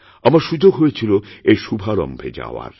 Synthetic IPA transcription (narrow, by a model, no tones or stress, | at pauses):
amaɾʃud͡ʑoɡɦojet͡ɕʰiloejʃubʱaɾɔ̰mbʱḛd͡ʑa̰oa̰ɾ